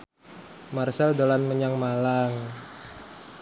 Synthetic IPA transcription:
marsɛldolanməɲaŋmalaŋ

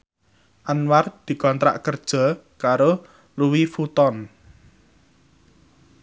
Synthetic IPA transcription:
ʔanward̪̥i̤kɔnt̪ɾa̰ʔkərd̥ʒ̥ɔ̤ | kaɾo | luwifut̪ɔn

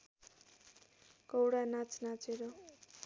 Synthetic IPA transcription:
kʌwɽanat͡snat͡seɾʌ

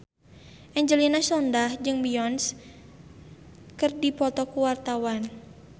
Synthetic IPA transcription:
ʔɛɲd͡ʒəlinasɔndahd͡ʒɨŋbiɔns | kɨrdipɔt̪ɔkuwart̪awan

